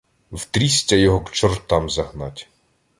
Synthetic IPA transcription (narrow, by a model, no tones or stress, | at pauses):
wt̪ɾʲisʲtʲɐjɔɦɔkt͡ʃɔrt̪ɑmzɐɦnɑtʲ